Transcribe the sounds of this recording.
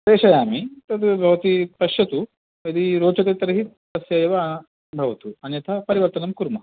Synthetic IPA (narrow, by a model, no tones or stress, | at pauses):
ɾeːʂɐjaːmit̪ɐt̪bʱɐʋɐt̪ip̪ɐʃjɐt̪u | ɐd̪iɾoːt͡ʃɐt̪eːt̪ɐɾɐɦi | ɐsjɐjɐʋɐ | bʱɐʋɐt̪uɐnjɐt̪ʰɐpɐɾiʋɐɾt̪ɐnɐmkuɾmɐ